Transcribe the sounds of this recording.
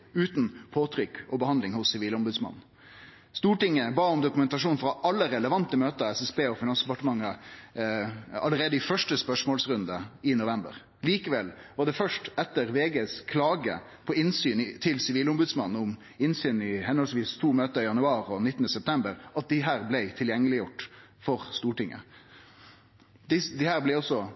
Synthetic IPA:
ʉːt̪n̩pʰoːt̪ʰɾʏkːɔbəhɑnlɪŋhʊsːɪʋiːlɔmbʉd̪smɑ̰nn̩ | st̪uːʈɪŋːəbɑːʊmd̪ʊkʉmɛnt̪ɑʂuːnfɾɑʔɑlːəɾɛləʋɑnt̪əmøːt̪əɛsɛsbeːɔfɪnɑnsd̪ɛpɑʈəmɑŋːə | ɑləɾeːd̪əɪfœʂʈəspœʂmoːlsɾʉnd̪əɪnʊʋɛmbə̰ɾ | liːkəʋɛlʋɑɖ̪ɛfœʂʈɛt̪ːəʁʋeːɡeːskʰlɑːɡə̰ | pʰɔɪnsyːnɪt̪ʰɪlsɪʋiːlʊmbʉd̪smɑnn̩ʊm | ɪnsyːn̩ɪhɛnhɔlsʋiːst̪ʰuːmøːt̪əɾɪjɑnʉɑːɾɔnɪt̪ːnəsɛp̚t̪ʰɛmbəɾʔɑt̪̚d̪ɪɦæːɾblæɪt̪ʰɪljɛŋːəlɪjʊʈ | fɔɾst̪uːʈɪŋʔə̰ | d̪ɪsd̪ɪhæːʁblæɪɔsːɔ

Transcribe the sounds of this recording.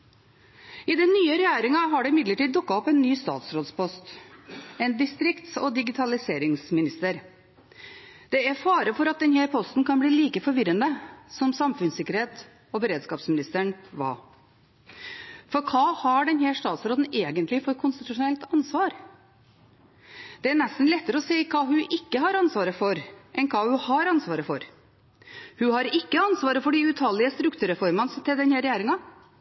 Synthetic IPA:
ɪd̪ɛnːyːəɾɛjæːɾɪŋɑɦɑɖɛɪmɪd̪ləʈiːd̪̚d̪ʊkːɑɔpɛnːyːst̪ɑ̰ːt̪sɾoːd̪spʰɔst̪ | ɛnd̪ɪst̪ɾɪkt̪sɔd̪ɪɡɪt̪ʰɑlɪseːɾɪŋsmɪnɪst̪əɾ | d̪̥ɛæɾfɑːɾəfɔɾɑt̪̚d̪ɛnhæːɾpʰɔst̪n̩kʰɑnbliːliːkəfɔɾʋɪɾənəsɔmsɑmfʉnsɪkːəɾheːt̪ | ɔbəɾeːd̪skɑːpsmɪnɪst̪əɳʋɑ̰ː | fɔɾkʰɑːhɑɖɛnhæːʂt̪ɑːt̪sɾoːd̪n̩eːɡənt̪lɪfɔɾkʰʊnst̪ɪt̪ʉʂʊnɛlt̪ɑnsʋɑːɾ | d̪̥ɛæɳɛst̪n̩lɛt̪ːəɾəɔsɛɪkʰɑːɦʉʔɪkːəɦɑɾɑnsʋɑːɾəfɔɾʔɛnkʰɑːhʉhɑɾɑnsʋɑːɾəfɔɾ | hʉhɑɾɪkːəɑnsʋɑːɾəfɔɖɪʉt̪ʰɑːlɪəst̪ɾʉkt̪ʰʉɾɛfɔɾmɑnst̪ʰɪld̪ɛnhæɾɛjæːɾɪŋɑ

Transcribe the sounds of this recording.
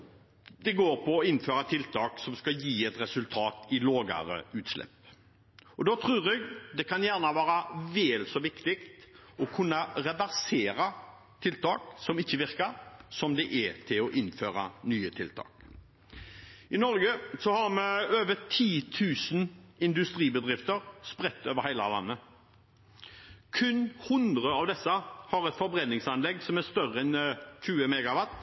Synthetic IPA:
d̪ɛɡoːɾpɔːɪnføːɾɑt̪ʰɪlt̪ʰɑːksɔmskɑjiːɛt̪ɾɛsʉlt̪ʰɑːt̪ɪloːɡə̰ɾə̰ʉːt̪slɛ̰pː | ɔd̪oːt̪ʰɾʉːɾɛɡd̪ɛkʰɑnjæʁnɑʋɑːɾɑʋɛːlsɔʋɪkt̪ɪkt̪ɔkʰʉnːɑɾɛʋæɾseːɾɑ | t̪ʰɪlt̪ɑːksɔmɪçːəʋɪʁkəɾsɔmd̪ɛʔɛt̪ʰɪlɔʔɪnːføːɾɑ̰nyːət̪ʰɪ̰lt̪ʰɑ̰ːk | ɪnɔɾɡəsɔhɑɾmɛøːʋət̪ʰiːt̪ʰʉːsn̩ɪnd̪ʉst̪ʁiːbəd̪ʁɪft̪əʁspʁɛt̪ːøːʋəɾhæɪlɑ̰lɑ̰nːə | kʰʉnhʊnd̪ʁəɑʋd̪ɛsːəhɑɾɛt̪fɔɾbɾɛnːɪŋsɑnlɛɡsɔmæst̪œʁəɛnçʉːəmɛːɡɑʋɑt̪ː

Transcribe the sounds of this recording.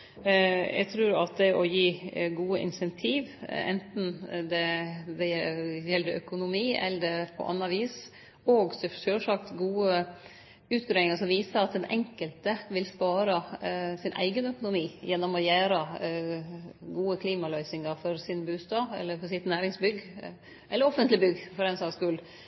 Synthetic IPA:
ʔɛ̰ɡt̪ʰɾʉːɾɑt̪̚d̪ɛʔɔjiːɡuːəʔɪ̰nsɛnt̪ʰiːʋɛ̰nt̪n̩d̪ɛd̪ɛjɛlːəɾʔœkʊnʊmiːɛ̰lːədɛpʰɔ̰ʔɑ̰nːɑʋiːs | oːɡssølʂɑk̚t̪ɡuːə | ʉːt̪̚ɡɾœːɪŋəʂɔmʋiːsəɾɑt̪̚d̪ɛnʔɛ̰ŋkəlt̪əʋɪlspɑːɾɑsɪnʔæ̰ɪɡənœkʊnʊmiːjɛnːɔmɔjæːɾɑ | ɡuːəkʰliːmɑlœʏsɪŋɑɾfɔɾsɪnbʉːst̪ɑːɛ̰lːəɾfɔsɪt̪næːɾɪŋsbʏɡ | ʔɛlːəɾɔfənt̪lɪbʏɡːfɔɾɛnsɑːskʉːl

